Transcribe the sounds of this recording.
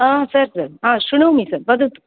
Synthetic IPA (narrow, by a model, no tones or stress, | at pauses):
ãsəɾsəɾɦãɕuɽ̃umiːsəɾbəd̪ət̪